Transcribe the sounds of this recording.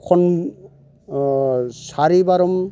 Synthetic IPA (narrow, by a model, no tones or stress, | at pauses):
kʰɔn | saɾibaɾɔm